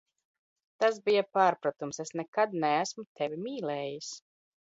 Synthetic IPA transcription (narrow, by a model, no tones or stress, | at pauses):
t̪asbijapaːɾpɾat̪umsesnɛkad̪nɛæsmut̪ʰɛvʲimʲiːlɛːjis